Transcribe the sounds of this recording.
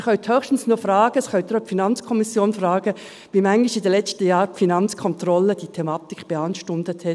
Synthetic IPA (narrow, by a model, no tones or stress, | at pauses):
χœɥthøːχʃtn̩snuːfrɑːɡ̥əsχœʏt̪ɾɔpfinɑnt͡skʰɔmɪsjoːnfrɑːɡ̥ə | viːmæŋlɪʃɪdɛlɛt͡stəjaːɾpfinɑnt͡skʰɔntrɔləd̥iːtʰɛmɑːtɪkʰb̥eɑnʃtʊndəthɛt